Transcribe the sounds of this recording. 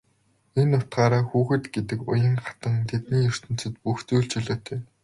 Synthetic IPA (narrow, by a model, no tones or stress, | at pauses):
enːʊt̪ɢaːɾaːxuːxɘ̆t̪ɡet̪ɘ̆kʊ̰jə̆ŋχat̪ə̆ŋt̪ʰet̪̚niːjɵr̥t̪ɵ̆n̥t͡sɘ̆t̪̚puxt͡sujɮt͡ɕɵɮoːt̪ʰeː